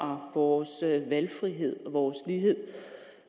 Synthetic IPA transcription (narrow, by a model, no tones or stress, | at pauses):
ɒʋɒːsʋælfʁiɦe̝ð̞̰ˠɒʋɒːsliːɦe̝ð̰ˠ